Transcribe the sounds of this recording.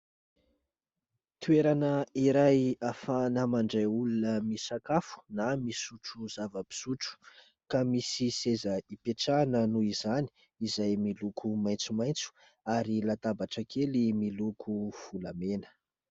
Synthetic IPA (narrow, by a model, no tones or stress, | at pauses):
t̪weɾanəiɾajafanəmaɳɖ͡ʐeulunəmisakafu̥namisuʈ͡ʂuz̥avəpi̥suʈ͡ʂu̥ | kamisisezəipeʈ͡ʂanənuizani̥ | izajmilukʰumajnt͡sumajnt͡su̥ | aɾilat̪abaʈ͡ʂəkʰelimilukʰufulamenə̥